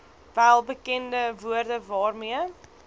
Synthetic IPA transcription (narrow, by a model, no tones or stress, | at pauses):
vælˠbəkɛndəvuərdəvɑːrmiə